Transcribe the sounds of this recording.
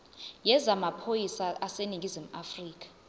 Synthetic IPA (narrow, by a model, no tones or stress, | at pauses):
jɛzamapʰojisaaseniŋɡʱizim̩afriːk̬ʰʼḁ